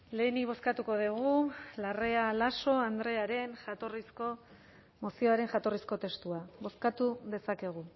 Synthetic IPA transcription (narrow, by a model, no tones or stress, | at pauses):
le̞ːniβ̞o̞skat̪uko̞ðiɣ̞ulare̞alaso̞and̪ɾe̞aɾe̞nat̪orisko | mo̞sio̞aɾe̞ŋʝat̪o̞risko̞t̪e̞st̪uaβo̞skat̪uðe̞sake̞ɣ̞u